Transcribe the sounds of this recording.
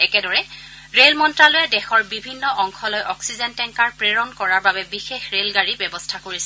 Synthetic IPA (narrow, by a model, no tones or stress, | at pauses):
ɛkɛdɔɹɛ | ɹelmɔntɹalojɛdɛxɔɹbibʱinːɔʔɔŋxɔlojʔɔksizɛntɛŋkaɹpɹeɹɔnkɔɹaɹbabɛbixexɹelɡaɹibɛbɔstʰakoɹisɛ